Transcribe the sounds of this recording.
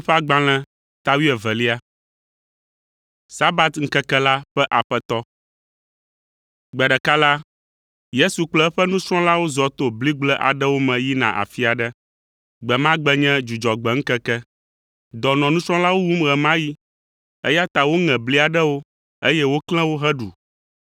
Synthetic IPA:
ɸɛ˦a˦ɡ͡bã˨l̃ɛ̃˨ | t̪a˦wi˦ɛ˨vɛ˨li˦a˨ | sa˦ba˨t̪ŋ̩˦kɛ˦kɛ˦la˦ɸɛ˦ʔa˨ɸɛ˦t̪ɔ˦ | ɡ͡bɛ˨a˨ɖɛ˨ka˦la˦ | je˦su˨k͡plɛ˦ɸɛ˦nũ˦sɾɔ̃˦la˦wo˦zɔ˨t̪o˨bli˦ɡ͡blɛ˦ʔa̰˨ɖɛ˦wo˦mɛ̃˨ji˦nã̰˨ʔa̰˨fi˦a˨ɖɛ˦ | ɡ͡bɛ˨mã˦ɡ͡bɛ˦ɲɛ̃˦d͡ʒu˨d͡ʒɔ˨ɡ͡bɛ˨ŋ̩˦kɛ˦kɛ˦ | d̪ɔ˨nɔ̃˨nũ˦sɾɔ̃˦la˦wo˦wu˦mɣɛ˨mã˦ji˦ | ḛ˦ja˦t̪a˨wo˦ŋɛ̃˨bli˦a˨ɖɛ˦wo˦ | e˦jɛ˦wo˦klɛ̃˦wo˦ɦɛ˦ɖu˨

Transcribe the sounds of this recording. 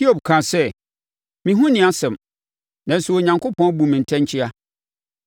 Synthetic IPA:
hi˦o˨b̚kʰã˨sɛ˦ | mĩ˨ɦũ˦nɪ̃˨a˦sɛ̃˨m | nã˨n̩˨sʊ˨o˨ɲã˨ŋkʰo˦pʰɔ̃˦n˦bũ˨mĩ˨n̩˨tʰɛ̃˦ɲ˦t͡ɕʰɪ˦a˦

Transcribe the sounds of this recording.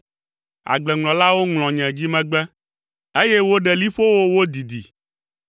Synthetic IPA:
a̰˨ɡ͡blɛ˨ŋlɔ̃˨la˦wo˦ŋlɔ̃˨ɲɛ̃˨d͡ʑi˦mɛ̃˨ɡ͡bɛ˦ | e˦jɛ˦wo˦ɖɛ˨li˦ɸo˦wo˦wo˦d̪i˨d̪ḭ˨

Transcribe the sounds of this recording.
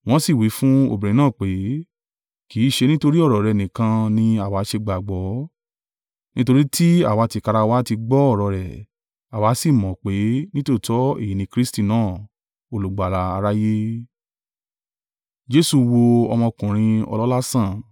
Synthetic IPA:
w̃ɔ̃˦si˦˨wi˨˦fũ˦o̰˧˨bĩ˨ɾĩ˨˧n˦ãː˦˨k͡pe˨˦ | ki˨˦˨ʃe˧nĩ˦to˧ɾi˦ɔ˦˨ɾɔ˨ɾɛ˨nĩ˨kã˧nĩ˧a˨wa˨˦ʃe˧ɡ͡ba˨ɡ͡bɔ˨˦ | nĩ˦to˧ɾi˦tʰi˦a˦˨wa˧ti˧ka˧ɾa˧wa˦ti˧ɡ͡bɔ˦ɔ˦˨ɾɔ˨ɾɛ˨ | a˨wa˨˦si˦˨mɔ̃˨k͡pe˨˦nĩ˦to˦˨tɔ˨˦ḛ˦˨i˨nĩ˧kɾi˦sti˦˨nãː˦˨ | o˨lu˨ɡ͡ba˨ɾa˧a˧ɾa˦je˦ | d͡ʒe˦su˧wo˧ɔ˧mɔ̃˧kũ˨ɾ̃ĩ˧ɔ̰˧lɔ˦la˦sã˦˨

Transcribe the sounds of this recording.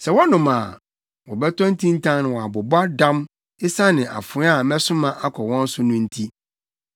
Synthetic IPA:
sɛ˨wɔ˦nʊ̃˨mãː˨ | wɔ˨bɛ˦tʰɔ̃˦n̩˦tʰĩ˦n̩˦tʰã˦ŋnɪ̃˨wɔ˨a˨bɔ˨ba˦dã˦m | ɪ˦sa˦nɪ̃˨ʔa̰˨fʊ˨˦a˦˨mɛ˦sʊ̃˦mã˦ʔa˦kʰɔ˨wɔ̃˦n̩˦sʊ˦nʊ̃˦n̩˦tʰi˦

